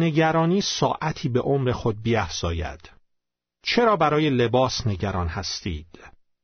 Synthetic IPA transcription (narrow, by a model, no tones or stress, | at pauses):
ne̞ɟæɾɒːniːsɒːʔæt̪ʰiːbe̞ʔomɾe̞xo̞d̪̚biːæfz̥ɒːjæ̰d̪̥ | t͡ʃʰe̞ɾɒːbæɾɒːje̞le̞bɒːsne̞ɟæɾɒːnhæst̪ḭːd̪̥